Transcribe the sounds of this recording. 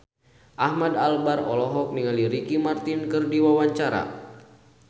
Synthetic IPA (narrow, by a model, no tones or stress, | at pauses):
ʔahmadalbarɔlɔɦɔk̚niŋaliɾikimart̪inkɨrdiwawaɲt͡ʃaɾa̰